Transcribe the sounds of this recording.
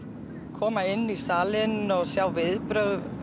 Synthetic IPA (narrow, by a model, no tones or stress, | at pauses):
kʰɔːmaɪnːisaːlɪnɔɣsjawvɪðpɾœɣð